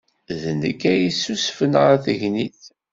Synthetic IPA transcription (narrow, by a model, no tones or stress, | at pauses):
ðənəkːæjisːusfənʁaθəʝniθ